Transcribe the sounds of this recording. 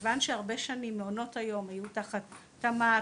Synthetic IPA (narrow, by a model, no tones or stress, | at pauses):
vanʃeaʁbe̞ʃanimːeo̞no̞tajo̞majutaχatː | ama